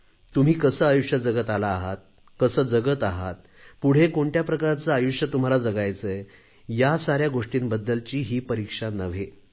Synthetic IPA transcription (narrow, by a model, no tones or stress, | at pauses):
t̪um̤iːkəsəːajuʂjəd͡zəɡət̪alaːɦat̪̚ | kəsəːd͡zəɡət̪aɦa̰t̪ | puɽ̤ekoɳʈjapɾəkaɾat͡səajuʂjət̪um̤alad͡zəɡajt͡sə | jasaɾjaɡoʂʈiːnbəd̪ːəlt͡ɕiːɦiːpəɾikʂanəʋ̤e